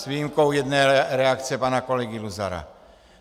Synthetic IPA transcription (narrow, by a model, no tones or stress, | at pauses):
zʋiːjimkɔʊjɛd̪nɛːɾɛakt͡sɛpaːnakɔlɛɡiluza̰ɾa̰